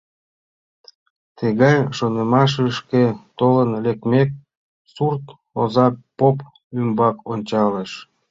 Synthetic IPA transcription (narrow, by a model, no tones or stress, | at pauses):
t̪eɣɑjʃonəmɑʃ̬əʃket̪olənlek̚mek̚ | surt̪ | ozɑpop | ymbɑkonʲt͡ɕɑleʃ